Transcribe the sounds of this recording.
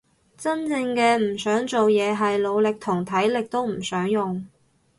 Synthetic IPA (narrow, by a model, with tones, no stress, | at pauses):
t͡sɐ˥nt͡sɪ˧ŋkɛː˧m̩˨˩sœː˨˥ŋt͡so˨wjɛː˨˧ɦɐ˨jlo˨˧wlɪ˨k̚t̪ʰʊ˨˩ŋt̪ʰɐ˨˥jlɪ˨k̚t̪o˥wm̩˨˩sœː˨˥ŋjʊ˨ŋ